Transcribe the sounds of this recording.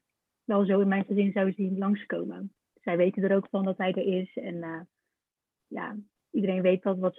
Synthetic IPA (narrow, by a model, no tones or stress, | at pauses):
ʋɛlˠzowɪnmɛjnχəzɪnzɑwzilɑŋsko̰wmə | sɛjʋejtəndəɾowkfɑndɑtɦɛjdəɹɪsɛnə | ja̰ː | idəɾejnʋejt̚dɑtʋɑt